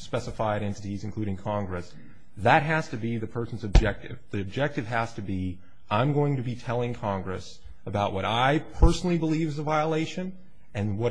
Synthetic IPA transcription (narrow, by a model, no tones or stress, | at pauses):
spɛsɨfaɪɾɛ̃ntɨɾizɨ̃nkʰl̥ʉɾɪ̃ŋkʰɑ̃ŋɡɹɨs | ðɨt̚ɦæz̥tɨbiðɨpʰɜ˞sn̩zɨb̚d͡ʒɛk̚tɪ̰vðiɨb̚d͡ʒɛk̚tɨv̥ɦæz̥tɨbi | ʔãɪ̃mɡoʊɪ̃ŋtɨbitʰɛlˠɪ̃ŋkʰɑ̃ŋɡɹɨs | əbaʊʔwʌɾaɪpʰɜ˞sn̩l̩ˠibəlivzəvaɪəleɪʃɨ̃n | ɨ̃nwʌ